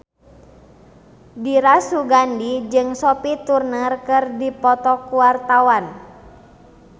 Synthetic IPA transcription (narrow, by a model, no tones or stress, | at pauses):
diɾasuɡandid͡ʒɨŋsɔpit̪urnərkɨrdipɔt̪ɔkuwart̪awan